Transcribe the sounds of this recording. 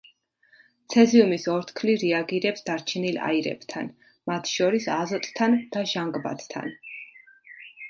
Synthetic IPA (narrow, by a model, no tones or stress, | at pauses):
t̪sʰɛziumisɔɾt̪ʰkʰliɾiaɡiɾɛpsd̪aɾt͡ʃʰɛnila̰iɾɛ̰b̥t̪ʰa̰n | mat̪ʰʃɔɾisazɔt̪ʼt̪ʰand̪̥aʒaŋɡba̰t̪ʰt̪ʰa̰n